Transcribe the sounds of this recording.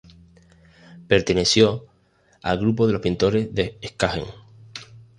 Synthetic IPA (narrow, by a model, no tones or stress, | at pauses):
pe̞ɾt̪e̞ne̞sjo̞ | a̰lɣɾupo̞ðelo̞hpint̪o̞ɾe̞zðeehkahe̞̰ŋ